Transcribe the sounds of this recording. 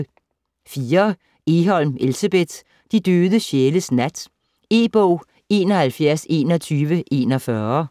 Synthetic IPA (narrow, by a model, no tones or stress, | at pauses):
fiːɐ | e̝ɦɒ̽l̰me̝lsæb̥e̝d̥ | d̥id̥øːðˠəɕeːləsnæd̥ | e̝̰ːb̥ɔʊ̰ | e̝̰ːnɒhælfjæɐ̰se̝̰ːnɒt͡sʰyːʋəʔe̝ːnɒfɶɐ